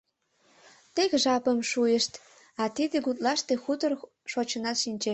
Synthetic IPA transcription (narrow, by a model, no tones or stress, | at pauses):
t̪eɣʒɑpəmʃujeʃt̪ | ɑt̪id̪ĕɡut̪̚lɑʃt̪exut̪ər | ʃot͡ɕənɑt̪ʃinʲt͡ɕe